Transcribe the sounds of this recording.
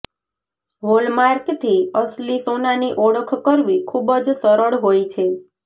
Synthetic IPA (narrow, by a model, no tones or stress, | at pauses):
ɦolmaɾkt̪ʰiəslisonaniʔɔɽəkʰkəɾʋikʰubəd͡ʒsəɾəɭɦojt͡ʃʰe